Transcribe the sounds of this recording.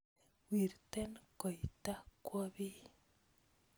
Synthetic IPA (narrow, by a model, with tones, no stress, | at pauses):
wi˨rtɛ˦nkɔ˨i˨ta˦kwɔ˦bi˦